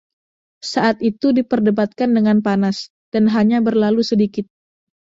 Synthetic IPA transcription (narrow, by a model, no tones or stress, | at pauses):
saʔat̪it̪udipərdəbat̪̚kandəŋanpanas | d̥anɦaɲabərlalusədikɪt̪̚